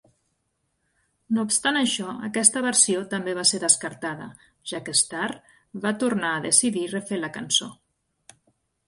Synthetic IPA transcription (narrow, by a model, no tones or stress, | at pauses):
noupst̪anəʃɔə̰kɛst̪əβəɾsiot̪əmbeβ̞aseɾðəskəɾt̪aðə | ʒ̥akəst̪ar | βat̪uɾnaəðəsiðirəfeləkənso